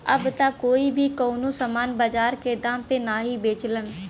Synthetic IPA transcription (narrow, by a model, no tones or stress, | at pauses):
əbt̪akoːibʱikoːnosəmaːnbəd͡ʒaːɾked̪ãːmpenaːɦibeːt͡ʃlən